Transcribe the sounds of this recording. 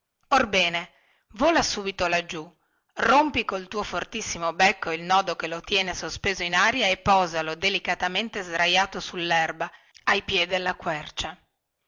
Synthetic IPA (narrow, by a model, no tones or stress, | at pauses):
orbɛːne | voːlasuːbit̪olad͡ʒːu | rompikolt̪uːofort̪isːimobɛkːoilnɔːd̪okelot̪jɛːnesospeːzoinaːɾjaepːɔːzalod̪elikat̪ament̪ezd̪ɾajaːt̪osulːɛrba | ajpjɛd̪elːakwɛrt͡ʃa